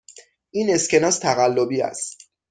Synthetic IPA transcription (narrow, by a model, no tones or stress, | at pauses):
ʔiːnescʰe̞nɒːst̪ʰæɣælːobiːæ̰st̪